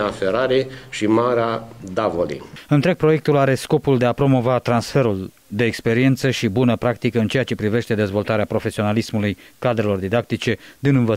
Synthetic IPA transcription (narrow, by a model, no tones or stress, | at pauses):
afeɾaɾeʃimaɾead̪avolḭɨnt̪ɾe̞ɡ̚pɾo̞je̞k̚t̪ulaɾe̞sko̞puld̪e̞apɾo̞mo̞vat̪ɾansfe̞ɾul | d̪e̞ːkspe̞ɾie̞nt̪səʃibunəpɾakt̪ikəɨnt͡ʃe̞jat͡ʃe̞pɾive̞ʃt̪e̞d̪e̞zvo̞lt̪aɾeapɾo̞fe̞sio̞nalismulujkad̪ɾe̞lo̞rd̪id̪ak̚t̪it͡ʃe̞d̪inɨnvə